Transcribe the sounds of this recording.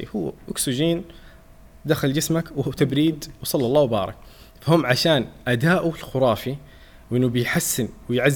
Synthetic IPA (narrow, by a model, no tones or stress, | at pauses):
hʊːʔʊksɪʒiːn | d̪axald͡ʒɪsmakwhuːt̪abɾiːd̪wɑsˤɑlːɑlˤːɑːwbɑːɾˤɑ̰k | fahʊmːʕaʃaːnʔad̪aːʔulxʊɾˤɑːfi | wʔɪnːubɪjħasːɪnwɪjʕazː